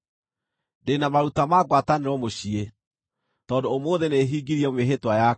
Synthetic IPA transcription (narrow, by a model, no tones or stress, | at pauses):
denamaɾutamaɡwataneɾɔmoɕie | tɔːdoːmoːðeneɦiːɡiɾiɛmweɦetwaja